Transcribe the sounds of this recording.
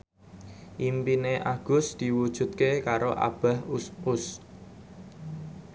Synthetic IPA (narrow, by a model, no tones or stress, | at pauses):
ʔimpineʔaɡ̥ʊsd̪̥i̤wud̥ʒ̥ṳt̪̚kekaɾoʔa̰b̥a̤hʊs